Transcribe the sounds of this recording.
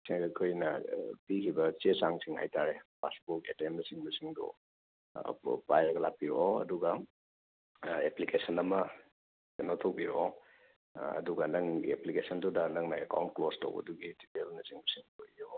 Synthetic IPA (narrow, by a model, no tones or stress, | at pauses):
siŋɐkʰojnɐpikʰibɐt͡ʃesaŋsiŋha̰jtaɾepa̰sbuketenɐsiŋmɐsiŋdṵ | pajɾɐɡɐlak̚piɾooɐ̰duɡɐ | eplikesɐnɐmɐ | enotʰowbiɾoo | ɐ̰duɡɐnɐŋeplikesɐndudɐnɐŋnɐeka̰wnt̚klosto̰wbɐ̰duɡidipelnɐsiŋbɐsiŋdoijo